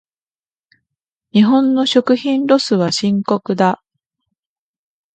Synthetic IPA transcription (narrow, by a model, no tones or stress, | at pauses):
ɲiɦõ̞nːo̞ɕo̞kɯ̟çĩnɾo̞sɨβaɕĩŋko̞kɯ̟d̪a